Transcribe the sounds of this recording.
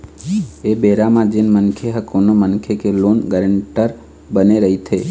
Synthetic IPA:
eːbeːɾamãd͡ʒɪnmənkʰeɦəkoːnomənkʰekeloːnɡəɾəɳʈəɾ | bəneɾəɦit̪ʰeː

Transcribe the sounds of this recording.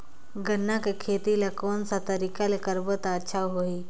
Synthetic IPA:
ɡənːakekʰeːt̪ilakoːnsat̪ɐɾikalekəɾbət̪aːtːʃʰaɦoi

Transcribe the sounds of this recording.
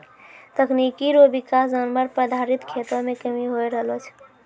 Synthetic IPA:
t̪əkʰnikiɾobikasd͡ʒanməɾpɾəd̪ʱaɾit̪kʰet̪ɾəmekəmiɦojɾəɦlot͡ʃʰ

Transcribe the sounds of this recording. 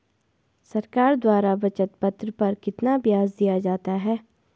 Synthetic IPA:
sɐɾkaːɾd̪waːɾaʋɐt͡ʃət̪pɐt̪ɾəpɐɾkɪt̪nabjaːzd̪ijad͡ʒaːt̪aɦɛː

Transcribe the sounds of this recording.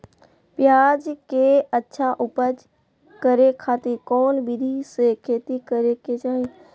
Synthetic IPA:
pjaːd͡ʒkeətːʃʰaʔʊpəd͡ʒ | kəɾekʰaːt̪iɾkɔːnbɪd̪ʱisekʰeːt̪ikəɾeket͡ʃaːɦe

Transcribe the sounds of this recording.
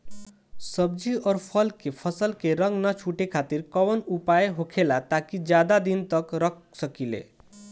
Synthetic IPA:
səbd͡ʒiɔːɾpʰəlkepʰəsəlkeɾə̃ŋɡnət͡ʃʰuʈekʰat̪iɾkəwənupajeɦokʰelat̪akid͡ʒjad̪ad̪int̪əkɾək̚ʰ | səkilḛ

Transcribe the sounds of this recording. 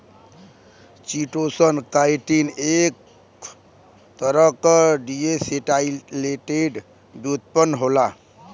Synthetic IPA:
t͡ʃiʈosənkajʈinek | t̪əɾəkɖieseʈaileʈeɖ | bjut̪̚pənɦola

